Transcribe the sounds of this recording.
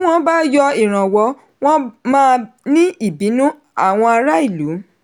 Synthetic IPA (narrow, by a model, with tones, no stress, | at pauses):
w̃ɔ̃˦ba˦jɔ˧i˨ɾ̃ã˨wɔ˨˧˦ | w̃ɔ̃˦mãː˦˧nĩ˦i˦˨bi˨˦nũ˦ | a˦˨w̃ɔ̃˧a˧ɾa˦i˦˨lu˨˦